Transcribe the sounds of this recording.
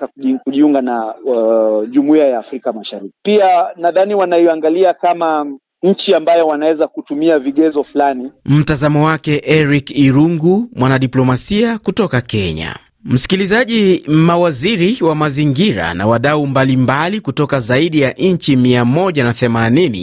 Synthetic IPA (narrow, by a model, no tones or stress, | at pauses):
akuʄiuŋɡana | ʄumuiajaːfɾikamaʃaɾiki̥pianaðaniwanaiaŋɡaliakama | ɲ̩t͡ʃiambajɔwanawɛzakutumiaviɠɛzɔfulanim̩tazamɔwakɛʔɛɾikiɾuŋɡumwanaɗiplɔmasiakutɔkakɛɲa̰ | m̩si̥kilizaʄimawaziɾiwamaziŋɡiɾa̰na̰waɗaumbalimbalikutɔkazaiɗijaʔɲ̩t͡ʃimiamɔʄanaθɛmaninḭ